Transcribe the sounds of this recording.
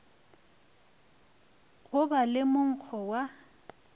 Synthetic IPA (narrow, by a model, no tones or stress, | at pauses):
ɣʊbalɪmʊŋ̩k͡xʰɔwa